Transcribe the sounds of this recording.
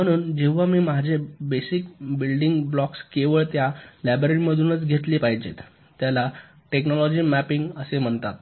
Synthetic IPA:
məɽ̃uːnd͡ʑeʋʋamiːmad͡ʑʱebesikbilɖiŋɡblɔkskeʋəɭt̪jalæbɾeʈməd̪ʱuːnət͡sɡʱet̪liːpaɦid͡ʑḛt̪ː | jala | ʈeknɔlɔd͡ʑiːmæpiŋɡəsem̤əɳt̪at̪

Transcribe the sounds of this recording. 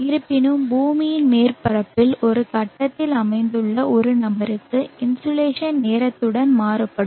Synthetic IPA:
ɪɾɯpːɪnɯmbuːmɪjɪnmeːrpɐɾɐpːɪlɔɾɯkɐʈːɐt̪ːɪlɐmɐɪnd̪ɯɭːɐɔɾɯnɐbɐɾɯkːɯɪnsoleːʂɐnneːɾɐt̪ːɯɽɐnmaːɾɯpːɐɽɯm

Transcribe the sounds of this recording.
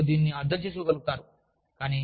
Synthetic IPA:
d̪iːnːiɐɾd̪ʱɐt͡ʃeːs̬ukɔɡɐluɡut̪aːɾu | kaːniː

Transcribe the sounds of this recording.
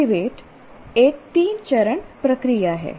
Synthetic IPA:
iʋeːʈ | ek̚t̪iːnt͡ʃəɾəɳpɾəkɾijaɦɛ̰ː

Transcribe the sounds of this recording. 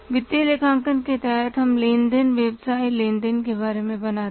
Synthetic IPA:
ʋɪt̪ːilekʰãːŋkənket̪ɛɦɛt̪ɦɐmlẽːnd̪ənʋeːbsaːilẽːnd̪ənkebaːɾemẽbɐnaːt̪

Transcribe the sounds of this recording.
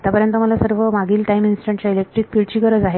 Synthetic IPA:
t̪japəɾjənt̪əməlasəɾʋəmaɡiːlʈaiminsi̥ʈəɳʈt͡ɕjailek̚ʈɾikpiɭt͡ɕiːkəɾəd͡zaɦe

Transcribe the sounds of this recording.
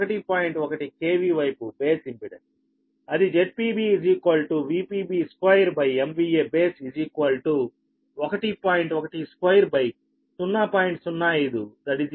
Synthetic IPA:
ɔkɐʈipaːjiɳʈɔkɐʈikeːʋiːʋɐjpubeːsimpiɽɐ | ɐd̪id͡ʒeʈ̚piːbiːziːkʋɐlʈuʋiːpiːbiːskwɐjɐɾbɐjemʋiːeːbeːsizikʋɐlʈu | ɔkɐʈipaːjiɳʈɔkɐʈiskʋɐjɐɾbɐj | t͡ʃunːaːpaːjiɳʈsunːaːjiːd̪ud̪ɐʈiz

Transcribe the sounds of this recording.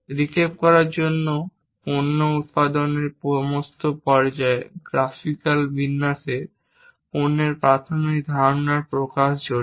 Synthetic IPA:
ɾikʰeb̚kɔɾaɾd͡ʑonːo | ponːout̪̚pad̪oneɾpomost̪opɔɾd͡ʑaeɡ̥ɾafikalbinːase | poneɾpɾat̪ʰomik̚d̪ʱaɾnaɾpɾokaʃd͡ʑoɾ

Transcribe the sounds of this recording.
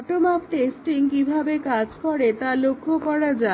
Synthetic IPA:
ʈomap̚ʈesʈiŋkibʱabekad͡ʑkɔɾet̪alokʰːokɔɾad͡ʑa

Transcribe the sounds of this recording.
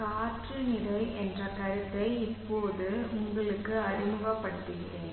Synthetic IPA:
kaːʈrɯnɪɽɐɪʔɛndrɐkɐɾɯt̪ːɐɪɪpːoːðɯʊŋɡɐɭɯkːɯɐɾɪmbɐpːɐɽɯʈːɯɣɪ̰rɐ

